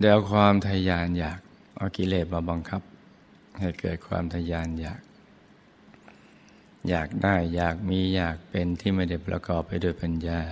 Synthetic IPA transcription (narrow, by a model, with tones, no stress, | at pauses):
dɛː˧wkʰwaː˧mt̪ʰa˧jaː˧njaː˨˩k̚ | ʔa˧˩wki˧˥leː˧˩t̪̚maː˧˩ba˧ŋkʰa˦˥p̚ | ha˧˥˩jkɤː˨˩t̪̚kʰwa̰ː˧mt̪ʰa˧jaː˧njaː˨˩k̚ | jaː˨˩k̚daː˥˩jːaː˨˩k̚miː˧jaː˨˩k̚pe˧nt̪ʰiː˥˩ma˥˩da˥˩jpɾʔa̰˧kɔː˨˩pːa˧jdoː˧˩˨jpa˧njaː˧˩